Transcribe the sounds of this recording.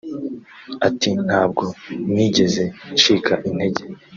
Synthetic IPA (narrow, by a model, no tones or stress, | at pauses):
atin̥haːb̚ɡo̞niːɟe̞ze̞t͡ʃiːkʰaʔinde̞ɟe̞